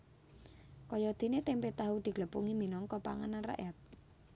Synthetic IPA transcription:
kɔjɔd̪̥i̤net̪empet̪aɦud̪̥i̤ɡ̥ləpuŋiminɔŋkɔpaŋananra̰ʔɛt̪̚

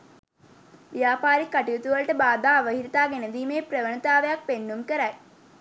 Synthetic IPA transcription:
ʋijaːpaːɾikaʈijut̪uʋəlʈəbaːd̪aːʋəɦiɾit̪aːɡenəd̪iːmeːpɾəʋənət̪aːʋəjak̚penːumkəɾæj

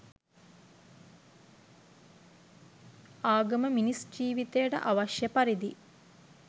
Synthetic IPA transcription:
aːɡəməminisd͡ʒiːʋit̪ejəʈə̰ʔaʋaʃjəpaɾid̪i

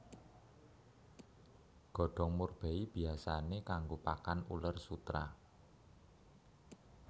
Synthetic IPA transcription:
ɡ̥ɔ̤ɖ̥ɔ̤ŋmurb̥eib̥i̤asanekaŋɡopakanṵlərsut̪ɾa̰

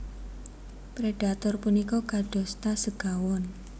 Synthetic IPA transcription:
pɾeɖat̪ɔrpunikɔkaɖ̥ɔ̤st̪asəɡ̥awɔn

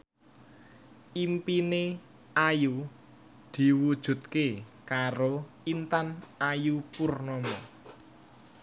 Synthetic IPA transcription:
ʔimpine | aju | d̪̥i̤wud̥ʒ̥ṳt̪̚kekaɾo | int̪anajupurnɔmɔ

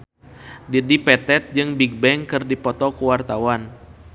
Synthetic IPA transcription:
didipɛt̪ɛt̪̚d͡ʒɨŋbiɡ̚bɛŋkɨrdipɔt̪ɔkuwart̪awan

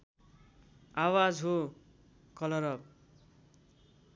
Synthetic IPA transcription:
awad͡zɦo | kʌlʌɾʌb̚

